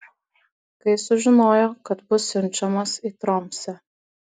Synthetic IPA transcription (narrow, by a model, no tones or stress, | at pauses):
kɐɪsʊʒʲɪnoːjokɐt̪bʊsɪnʲt͡ʃɛmɐsit̪ɾomsɛ